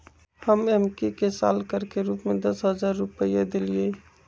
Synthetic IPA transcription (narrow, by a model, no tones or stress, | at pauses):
həmɛmkikesa̰ːlkəɾkeɾuːpmẽd̪ɐsɦəzaːɾːʊpəijad̪elie